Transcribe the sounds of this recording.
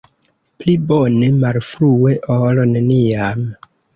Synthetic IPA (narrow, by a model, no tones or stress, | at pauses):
plibonemalfɾueʔolone̞niam